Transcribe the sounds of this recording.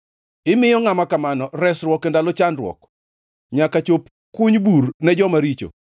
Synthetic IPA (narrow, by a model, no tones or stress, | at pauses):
ɪmɪjɔŋamakamanɔɾɛsɾwɔkendalot͡ʃandɾwɔ̰k | ɲakat͡ʃop | kʊɲburnɛd͡ʒɔmaɾit͡ʃo̰